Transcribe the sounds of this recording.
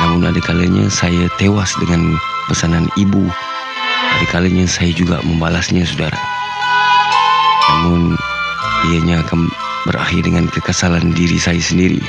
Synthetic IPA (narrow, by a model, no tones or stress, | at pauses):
namʊna̰dakalaɲa̰sajat̪ewasdəŋan | pəsananibu | adakalaɲasajad͡ʒuɡa̰məmbalasɲasudaɾa̰ | namʊn | iaɲaːkan | bəɾa̰hɪrdəŋankəkəsalandiɾḭsajasəndiɾḭ